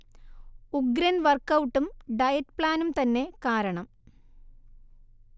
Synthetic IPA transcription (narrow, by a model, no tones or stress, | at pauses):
uɡɾɐnʋɐrkɐwʈːumɖɐjɐtpɭaːnumt̪ɐnːe̞kaːɾɐɳɐm